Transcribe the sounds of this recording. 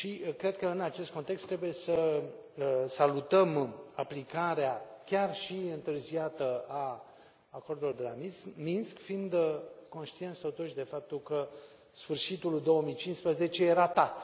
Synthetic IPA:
ʃikɾe̞d̪̚kəɨnat͡ʃe̞st̪ko̞nt̪ekst̪ːɾe̞buje̞sə | salut̪əmaplikaɾeakʲarʃiɨnt̪ɨrziat̪əaː | ko̞rd̪ulord̪elamiminskfind̪ko̞nʃt̪ient̪st̪o̞t̪uʃd̪e̞fap̚t̪ulkə | sfɨrʃit̪uld̪o̞wəmijt͡ʃinspɾəze̞t͡ʃejeɾat̪at̪

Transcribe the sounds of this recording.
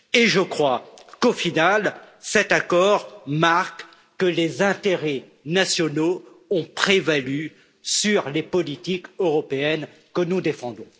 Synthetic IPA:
eʒəkχwakofinalsɛt̪akɔʁmaʁkː | əlezɛ̃t̪eʁɛ | nasjɔno | ɔ̃pχevaly | syʁlepɔlit̪ikøʁɔpeɛn | kənud̪efɑ̃d̪ɔ̃

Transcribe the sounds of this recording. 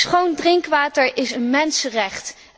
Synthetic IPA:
sχowndrɪŋkʋaːtəɹʔɪsənmɛnsərɛχt

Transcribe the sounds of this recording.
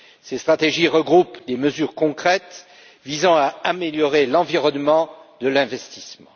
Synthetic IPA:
sest̪χat̪eʒiʁəɡʁupd̪eməzyʁkɔ̃kχɛt̪ | vizɑ̃aameljɔʁelɑ̃viʁɔnmɑ̃d̪əlɛ̃vɛst̪i̥smɑ̰̃

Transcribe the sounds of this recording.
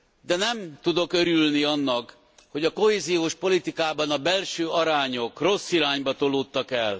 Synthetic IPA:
d̪ɛnɛmt̪ud̪o̞køɾylniɒnːɒk | ho̞ɟɒko̞ɦeːzijoːʃpo̞lit̪ikaːbɒnɒbɛlʃøːɒɾaːɲo̞kro̞sːiɾaːɲbɒt̪o̞loːt̪ːɒkɛl

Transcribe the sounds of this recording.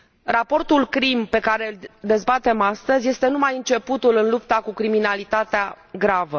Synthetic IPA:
rapo̞rt̪ulkɾimpe̞kaɾe̞ɨld̪e̞zbat̪e̞mast̪əzʲje̞st̪e̞numajɨnt͡ʃe̞put̪ulɨnlupt̪akukɾiminalit̪at̪ea | ɡɾavə

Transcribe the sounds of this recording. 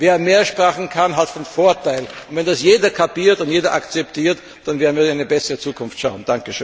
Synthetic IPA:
veːɐmeːɐʃpʁaːχn̩kʰanɦatfɔnfoɐtaɪlʊntvɛndasjeːdɐkʰapiːɐtʊntjeːdɐʔakt͡sɛptiːɐt | d̥anvɛːɐnviːɐɪnaɪnəbɛsəʁət͡suːkʰʊnftʃaʊnd̥aŋkəʃøːn

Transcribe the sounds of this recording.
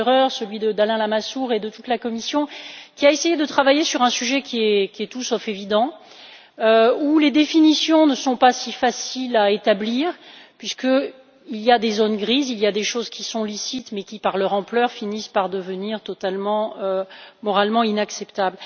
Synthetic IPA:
ʁœʁsəlɥid̪əd̪alɛ̃lamasuʁed̪ət̪ut̪lakɔmisjɔ̃kʲiaesejed̪ət̪χavajesyʁɛ̃syʒɛkʲʰiɛkʲiɛt̪usɔfevid̪ɑ̃ | øuled̪efinisjɔ̃nəsɔ̃pasifasilaet̪abliːʁpɥiskə | ilijad̪ezonɡʁizilijad̪eʃozkʲisɔ̃lisit̪mɛkʲipaʁlœʁɑ̃plœʁfinispaʁd̪əvəniʁt̪ɔt̪almɑ̃ømɔʁalmɑ̃inaksɛpt̪abl

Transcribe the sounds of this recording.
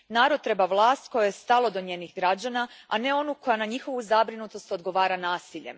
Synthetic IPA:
naːɾod̪̚t̪ɾe̞baʋlˠaːst̪ko̞jojest̪alˠo̞d̪oɲeːnixɡɾad͡ʑanaane̞o̞nuko̞janaɲixo̞ʋuzabɾinut̪o̞st̪od̪ɡo̞ʋaːɾanaːsiʎe̞̰

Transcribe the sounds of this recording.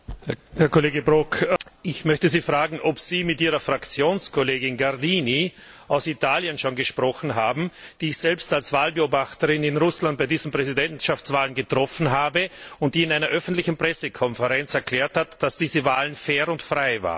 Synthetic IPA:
hɛɐkʰoleːɡəbʁokʔɪçmœçtəziːfʁ̥aːɡŋ̩ʔɔpsiːmɪtiːʁɐfʁ̥akt͡sjoːnskʰoleːɡɪnɡaʁdiːniʔaʊsitʰaːljənʃoːnɡəʃpʁ̥ɔxn̩ɦaːbm̩d̥iːɪçz̥ɛlpstalsv̥aːlbəoːbaxtəʁɪnɪnʁʊslant̚baɪdiːzəm̩pʁ̥ɛzidɛntʃaft͡sv̥aːlənɡətʁ̥ɔfn̩ɦaːbəʊnt̚d̥iːɪnaɪnɐʔœfn̩tlɪçn̩pʁ̥ɛsəkʰɔnfəʁɛnt͡sɛɐklɛːɐthatd̥asd̥iːzəvaːlənfɛːɐʁʊntfʁaɪva̰ːʁn

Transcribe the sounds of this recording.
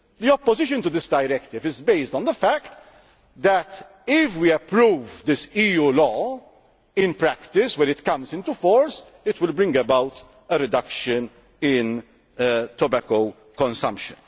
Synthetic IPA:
d̪iɔpːɔzɪʃ̬ə̃nt̪ud̪ɪsd̪ɐjɾɛkt̪ɪvɪzbeɪsd̪ɔ̃nd̪əfækt̪ | d̪ɛt̪ | ɪfwiɛpɾuːvd̪ɪsiːjuːlɔː | ɪ̃npɾækt̪ɪswɛɾɪt̪kɐ̃mzɪ̃nt̪ufɔːɾs | ɪt̪wɪlbɾɪ̃ŋɡəbɐwt̪ | əɾɛd̪ɐkʃən | ɪn | t̪ɔbæko | kɔ̃nsɐ̰̃mpʃə̰̃n

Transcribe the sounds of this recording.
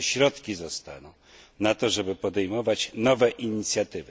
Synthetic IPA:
ɕɾɔt̪kʲizɔst̪a̰nɔ̃w̃ | nat̪ɔʐɛbɘpɔd̪ɛjmɔvat͡ɕnɔvɛʔiɲit̪sʲjat̪ɘvɘ

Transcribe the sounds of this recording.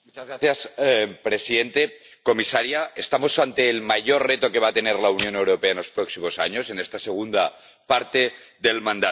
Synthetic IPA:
mut͡ʃazɣɾaθjaspɾe̞siðe̞nt̪e̞ | ko̞misaɾjaest̪amo̞sant̪e̞ːlmaʝo̞rre̞t̪o̞ke̞β̞at̪e̞neɾlaunjo̞ne̞wɾo̞peaenlo̞spɾo̞ksimo̞sa̰ɲo̞se̞ne̞st̪ase̞ɣ̞und̪a | paɾt̪e̞ | ðe̞lmãnd̪a

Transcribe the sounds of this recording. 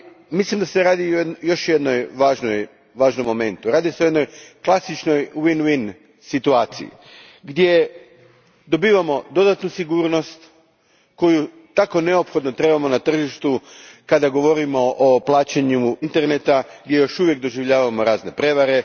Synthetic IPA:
mislimd̪ase̞ɾaːd̪ioejo̞ʃjed̪no̞jʋaːʒno̞j | ʋaːʒno̞mːo̞me̞nt̪uɾaːd̪ise̞ojeno̞jklˠasit͡ʃno̞jwinwin | sit̪uaːt̪sḭjḭ | ɡd̪je̞ | d̪o̞biːʋamo̞d̪o̞d̪at̪nusiɡuːɾno̞st̪ | ko̞ju | t̪ako̞ne̞opxod̪no̞t̪ɾe̞bamo̞nat̪r̩ʒiʃt̪ukad̪aɡo̞ʋo̞ɾimo̞ʔoplˠaːt͡ɕeɲuint̪e̞ɾnet̪aɡd̪ʲje̞jo̞ʃuʋje̞k̚d̪o̞ʒiʋʎaːʋamo̞ɾaːzne̞pɾe̞ʋaɾe̞

